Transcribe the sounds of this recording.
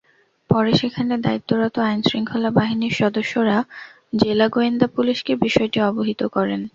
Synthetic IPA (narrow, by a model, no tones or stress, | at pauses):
pɔɾeʃekʰaned̪ait̪ːoɾɔt̪oajnsɾiŋkʰolabaɦiniɾʃɔd̪oʃːoɾa | d͡ʑelaɡoend̪apuliʃkebiʃɔeʈiɔboɦit̪okɔɾen